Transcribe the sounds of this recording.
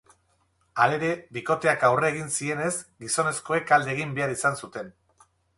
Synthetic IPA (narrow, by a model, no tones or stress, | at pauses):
ale̞ɾe̞βiko̞t̪e̞akawre̞ːɣ̞insie̞ne̞zɡiso̞ne̞sko̞e̞kald̪eːɣimbe̞aɾisansut̪e̞n